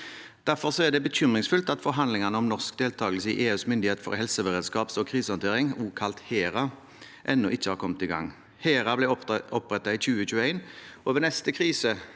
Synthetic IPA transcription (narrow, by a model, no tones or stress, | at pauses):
d̪̥æɾfɔʁsɔæʁd̪ɛbəçʏmʁɪŋsfʉlt̪ɑt̪fɔɾɦɑnlɪŋɑnəɔmnɔʁskd̪eːlt̪ʰɑːɡəlsəɪ̰ʔeːʉːsmʏnd̪ɪheːt̪əfɔ̰ɾhɛlsəʋəʁeːd̪skɑːpsɔkʰʁiːsəɑnt̪eːɾɪŋuːkʰɑlt̪heːɾɑ | ʔɛnːʊʔɪçːəhɑːɾkʰɔmət̪ɪɡɑ̰ŋ | heːɾɑblɛɔpʁɛt̪ːɑiçʉːəçʉːəæɪnoːʋənɛst̪əkʰʁiːsə